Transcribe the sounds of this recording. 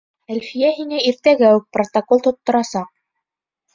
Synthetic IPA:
ælfijæɦiŋæiɾt̪æɡæwɘk̚prot̪ɐkolˠt̪ŏt̪ːŏɾɑsɑq̚

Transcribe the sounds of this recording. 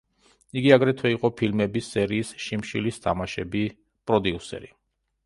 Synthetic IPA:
iɡiaɡɾɛt̪ʰwɛiqʼɔpʰilmɛbisːɛɾiːsʃimʃilist̪ʰamaʃɛbi | pʼɾɔd̪iusɛ̰ɾi

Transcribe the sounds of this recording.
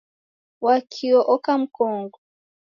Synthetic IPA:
wakʰiɔʔɔkam̩kʰɔːŋɡɔ

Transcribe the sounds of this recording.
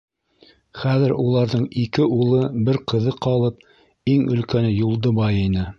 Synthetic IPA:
χæðɘɾulˠɑɾðɤɴikɘulˠɤbɘɾqɤ̆ðɤqʰɑlˠɤp̚ | iŋɵ̆lkænɘjulˠd̪ɤbɑjinɘ

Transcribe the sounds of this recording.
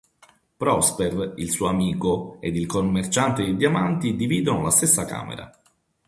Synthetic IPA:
pɾɔsperilsuːamiːkoed̪ilkomːert͡ʃant̪eed̪jamant̪id̪iviːd̪onolast̪esːaka̰ːmḛɾa̰

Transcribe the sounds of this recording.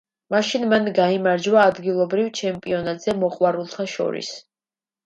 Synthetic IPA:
maʃinmanɡaimaɾd͡ʒwaːd̪ɡilˠɔbɾivt͡ʃʰɛmpʼiɔnat̪ʼz̥ɛmɔqʼwaɾulˠt̪ʰaʃɔ̰ɾḭs

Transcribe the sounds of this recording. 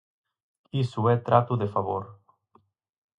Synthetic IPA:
isuɛt̪ɾat̪uðefaβoɾ

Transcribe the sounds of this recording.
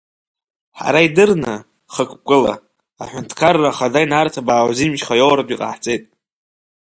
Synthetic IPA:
ħa̰ɾaidɨrnɨ | χəkʷʼʰkʷʼɨla̰ | a̰ħʷᶣʊntʰkʰarːaχadajnartʰabaːwzimʒχajowɾapʼiqʼa̰ħt͡sʼe̞jtʼ

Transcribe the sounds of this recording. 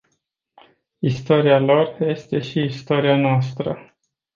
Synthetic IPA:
ist̪o̞ɾialo̞rje̞st̪e̞ʃiːst̪o̞ɾianoast̪ɾə̰

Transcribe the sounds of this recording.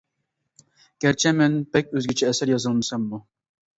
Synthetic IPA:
kʲæɾt͡ʃʰɛmɛnpʰɛk̚ʲøzɡʲɪt͡ʃʰɛːsæɾjɑzɨlˠmɨsɛmːu

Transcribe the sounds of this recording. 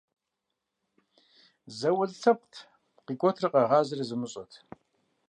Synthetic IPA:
zɐwɐɮɬʰɐp̚tʰ | qikʷʼɔtʰrɨqɐʁɑːzɐrizɨmɨɕʼɐtʰ

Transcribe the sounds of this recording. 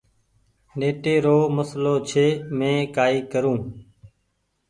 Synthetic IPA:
neːʈeːɾoːməsloːt͡ʃʰeːmẽːkaːiːkəɾũː

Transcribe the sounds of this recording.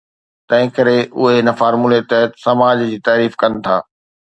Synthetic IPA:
t̪ɐ̃ɦɪ̃kɐɾeʔʊɦeɦɪnə̆faːɾmulet̪ɐɛt̪sɐmaːd͡ʑd͡ʑiːt̪aːɾiːfkɐnɪ̆t̪ʰa̰ː

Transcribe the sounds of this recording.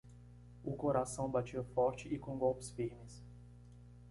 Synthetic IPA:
ʊkoɾasɐ̃w̃bat͡ʃiɐfɔɾt͡ʃɪɪkõɡɔwpʊ̥sfiɾmɪs

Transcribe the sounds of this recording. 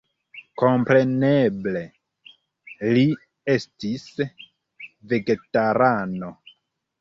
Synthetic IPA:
ko̞mpɾe̞neble̞ | li | e̞stis | ve̞ɡe̞taɾano̞

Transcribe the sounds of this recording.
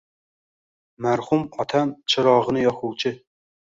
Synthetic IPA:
mæɾχumɑt̪ʰæmt͡ʃʰɨɾɑːʁənɨjɑχuwt͡ʃʰɪ

